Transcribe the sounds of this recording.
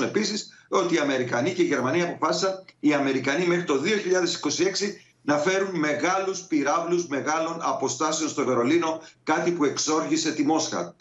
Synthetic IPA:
ne̞pisiso̞t̪iːɐme̞ɾikɐnice̞iʝe̞ɾmɐniɐpo̞fɐsisɐniɐme̞ɾikɐnime̞xɾit̪o̞ðio̞çiʎɐðe̞si̥ko̞sie̞ksi | nɐfe̞ɾunme̞ɣɐluspiɾɐvlusme̞ɣɐlo̞nɐpo̞st̪ɐseo̞nst̪o̞ve̞ɾo̞lino̞kɐt̪ipue̞kso̞ɾçise̞t̪imo̞sxɐ̰

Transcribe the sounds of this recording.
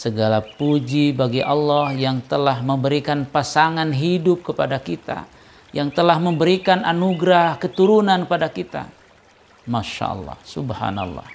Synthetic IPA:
səɡalapud͡ʒibaɡiʔalːɔhjaŋt̪əlahməmbəɾikanpasaŋanɦidʊp̚kəpadakit̪a̰ | jaŋt̪əlahməmbəɾikana̰nuɡɾahkət̪uɾunanəpadakit̪a̰ | maʃa̰ʔɑ̰lːɑ̰hsubha̰na̰lːɑ̰h

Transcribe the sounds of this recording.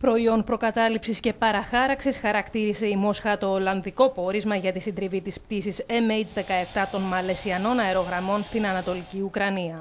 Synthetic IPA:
pɾo̞io̞npɾo̞kɐt̪ɐlipsisce̞pɐɾɐxɐɾɐksisxɐɾɐkt̪iɾise̞imo̞sxɐt̪o̞ːlɐnðiko̞po̞ɾizmɐʝɐt̪isind̪ɾivit̪ispt̪isise̞mejd͡zðe̞kɐe̞ft̪ɐt̪o̞nmɐle̞siɐno̞nɐe̞ɾo̞ɣɾɐmo̞nst̪inɐnɐt̪o̞liciukɾɐniɐ

